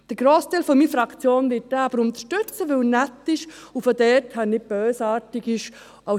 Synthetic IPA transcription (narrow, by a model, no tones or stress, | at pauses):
d̥əɾɡ̥ɾoːstaɪlfɔmiːfɾɑkt͡sjoːnʋɪt̚dɛɑbəɾʊnt̪əʃtʏt͡səʋɵlnɛtːɪʃufɔdɛthanɪb̥øːsɑːɾtɪɡɪʃ | a